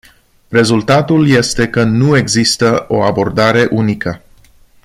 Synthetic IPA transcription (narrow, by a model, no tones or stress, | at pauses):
re̞zult̪at̪ulje̞st̪e̞kənue̞ɡzist̪əo̞abo̞rd̪aɾe̞ʔunikə